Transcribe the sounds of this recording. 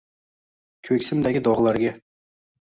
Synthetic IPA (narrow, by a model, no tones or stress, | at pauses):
kʲʰɵkʲsɪmd̪æɡʲɪd̪oʁlˠɑɾɡʲe